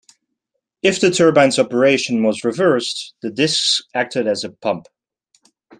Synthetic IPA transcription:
ɨfðɨtʰɜ˞bæ̃nzɑpə˞eɪʃn̩wʌzɹɨvɜ˞sðɨdɪsksæk̚tʰɨɾɨzɨpʰʌ̃mp

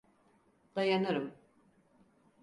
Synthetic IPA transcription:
d̪̥ajanɯɾɯm

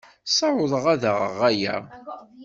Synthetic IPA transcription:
sɑʕʊðˤəʁæðəʁə̰ʁæjæ̰

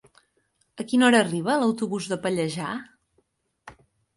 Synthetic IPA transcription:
əkinɔɾəːriβ̞ələwt̪uβuzðəpəʎəʒa

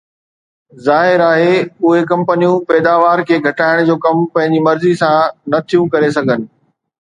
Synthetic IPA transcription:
zaːɦɪɾaːɦeʊɦekɐ̃mpənijũpɛːd̪aːʋaːɾkʰeːɡʱɐʈaːɪɽ̃d͡ʑoːkɐmpɐ̃ɦɪ̃ɲd͡ʑimɐɾzisãnɐt̪ʰijũkɐɾes̬ɐɡʱənɪ̆

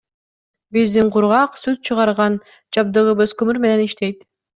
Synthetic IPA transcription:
bizd̪iɴqʰuɾʁɑqsʉt̪̚t͡ʃʰɯʁɑɾʁɑn | d͡ʒɑb̚d̪ɯʁɯβɯzkɵmyɾme̞ne̞niʃt̪e̞jt̪

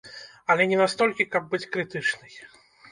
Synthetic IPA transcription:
alʲɛnʲɛnast̪ɔlʲkʲikab̚ːɨt͡sʲkɾɨt̪ɨt͡ʂnɨj

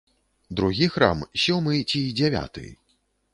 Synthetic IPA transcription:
d̪ɾuɣʲixɾa̰msʲɔmɨt͡sʲid͡zʲɛvʲa̰t̪ɨ̰j

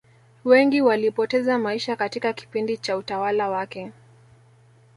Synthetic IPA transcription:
wɛŋɡiwalipɔtɛzamaiʃakatikaki̥pindit͡ʃautawalawakɛ

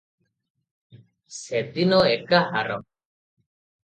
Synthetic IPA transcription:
set̪inɔekahaɾɔm

